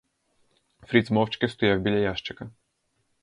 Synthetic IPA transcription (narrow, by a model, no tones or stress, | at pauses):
fɾʲid̪zmɔwt͡ʃkɛst̪ɔjawbʲilʲajaʃt͡ʃɐkɐ